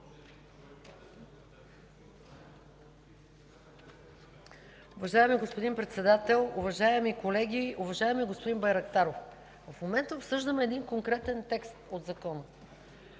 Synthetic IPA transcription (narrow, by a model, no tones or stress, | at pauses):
ʊvɐʒaɛmiɡospod̪impɾɛt̪sɛd̪at̪ɛlˠʊvɐʒaɛmikolɛɡʲiʊvɐʒaɛmiɡospod̪inbɐjɾɐkt̪aɾof | vəfmomɛnt̪əopsɤʒd̪əmɛːd̪iŋkoŋkɾɛt̪ɛnt̪ɛkst̪od̪zɐkɔnə